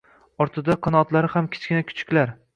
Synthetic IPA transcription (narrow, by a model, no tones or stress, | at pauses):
ɒɾt̪ʰɪd̪aqʰɒnɒt̪laɾɪhamkʲʰɪ̥t͡ʃkʲɪnakʲʰʊ̥t͡ʃʰɪ̥kʲlaɾ